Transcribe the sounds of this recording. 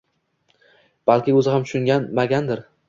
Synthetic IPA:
b̥alˠkʲɪɵzɪhamt̪ʰʊ̥ʃʊŋɡʲanmaɡʲand̪ɪɾ

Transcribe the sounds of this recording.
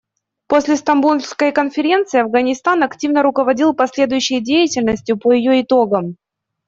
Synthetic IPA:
posʲlʲɪst̪ɐmbulʲskəjkənfʲɪɾʲe̞nt̪sɨɪɐvɡənʲɪst̪anɐktʲivnəɾʊkəvɐdʲilˠpɐsʲlʲe̞d̪ʊjʉɕːɪjdʲejɪtʲɪlʲnəsʲtʲjʊpəjɪjoɪt̪o̞ɡəm

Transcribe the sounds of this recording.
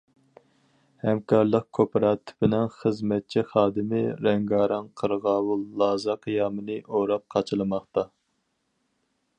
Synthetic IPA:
hɛmkʰɑɾlˠəq̚kʰopʰɾɑːt̪ʰɪ̥bɪnɛnχəzmɛt̪̚t͡ʃʰiχɑːd̪ɨmɪɾɛŋɡɑːɾɑnqʰəɾʁɑːwulˠːɑːzɑqʰijɑːmɨnɨʔoɾɑp̚qʰɑt͡ʃʰɨlˠɨmɑχt̪ɑ

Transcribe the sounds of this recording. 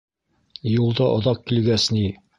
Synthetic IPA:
julˠd̪ɑʔŏ̰ðɑq̚kilɡæsni

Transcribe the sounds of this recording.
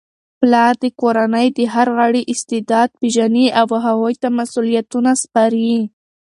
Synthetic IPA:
plɑɾd̪əkoɾanəjd̪əɦaɾɣaɽiʔɪst̪ɪd̪ɑd̪̚piʒaniʔawɦawojt̪amasulijat̪unaspɑɾi

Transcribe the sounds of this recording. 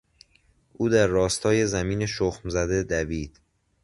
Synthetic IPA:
ʔuːd̪æɾːɒːst̪ʰɒːje̞zæmiːneʃoxmzæd̪e̞d̪æviːd̪̥

